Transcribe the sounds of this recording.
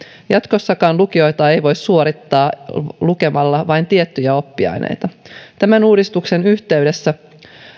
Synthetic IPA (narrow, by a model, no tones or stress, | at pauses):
jɑt̪ko̞sːɑkɑːnluk̟io̞jt̪ɑːe̞jʋo̞jssuoɾit̪ːɑːluke̞mɑlːɑʋɑjnt̪iet̪ːyjæo̞pːiɑ̰jnʔḛjt̪ɑt̪æmænuːdist̪ukse̞nyçt̪e̞ɥde̞sːæ